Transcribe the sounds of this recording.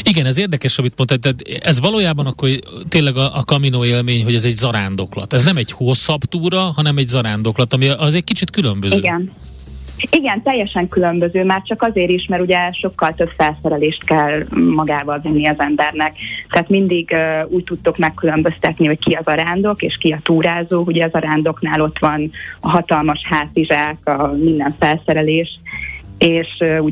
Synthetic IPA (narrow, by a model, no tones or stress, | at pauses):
iɡɛnɛzeːrd̪ɛkɛʃɒmit̪mo̞nt̪at̪ːɛt̪ɛzʋɒloːjaːbɒnɒkːort̪eːnlɛɡɒʔːkɒminoːeːlmeːɲɦo̞ɟɛzɛɟzɒɾaːnd̪o̞klɒ̰t̪ɛznɛmɛɟhoːsɒpt̪uːɾɒɦɒnɛmɛɟzɒɾaːnd̪o̞klɒt̪ɒmiʔɒzɛc̚kit͡ʃit̪kylømbøziøːɡɛn | iɡɛnt̪ɛjːɛʃɛŋkylø̞mbøzøːmaːrt͡ʃɒkɒzeːɾiʃmɛɾuɟɛʃo̞kːɒlt̪ø̞bfɛlsɛɾɛleːʃt̪kɛlmɒɡaːvɒlvinːiɒzɛmbɛrnɛkt̪ɛaːt̪mind̪iɡuːɟt̪ut̪ːukmɛkːylø̞mbø̞st̪ɛt̪niho̞ckiɒzɒɾaːnd̪o̞keːʃkiɒt̪uːɾaːzoːkuɟɛɒzɒɾaːnd̪o̞knaːlo̞t̪ʋɒnɒɦɒt̪ɒlmɒʃhaːt̪iʒaːkɒmind̪ɛɱfɛlsɛɾɛleːʃ | eːʃu